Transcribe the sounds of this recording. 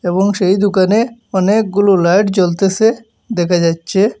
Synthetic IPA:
ebɔŋʃejd̪ukaneɔnek̚ɡululajʈt͡ɕolt̪ese | d̪ɛkʰad͡ʑatːɕʰe

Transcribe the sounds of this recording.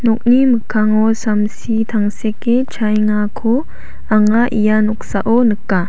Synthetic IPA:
nɔk̚niməkʰːaŋɔsamsit̪ʰaŋseket͡ʃʰajŋakʰɔ | ʔaŋaʔijanɔk̚saʔɔnɯkːa

